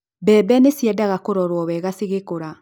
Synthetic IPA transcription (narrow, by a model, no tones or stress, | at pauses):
bɛːbɛnesjɛdaɣakoɾɔɾwɔβɛɣaseɣekoɾa